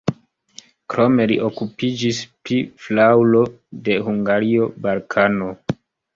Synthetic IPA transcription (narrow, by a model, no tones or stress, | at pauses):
kɾo̞me̞lḭʔokupid͡ʒispliflawlo̞ | de̞huŋɡaɾio̞balkʰano̞